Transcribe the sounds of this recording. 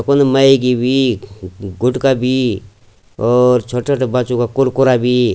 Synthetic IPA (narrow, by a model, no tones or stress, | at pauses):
konməikibʱi | ɡʊʈkabʱi | ɔːɾt͡ʃʰoʈʰoʈbat͡ʃukakʊɾkʊɾabʱi